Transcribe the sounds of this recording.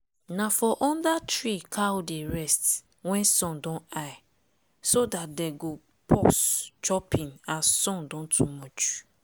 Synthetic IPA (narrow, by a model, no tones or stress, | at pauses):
nafɔʔɔ̃ndatɹikʰaodeɹɛst | wɛ̃nsɔ̃ndɔ̃naɪ | sodat̚deɡo | pʰɔst͡ʃɔpʰĩnasɔ̃ndɔ̃ntʰumɔt͡ʃ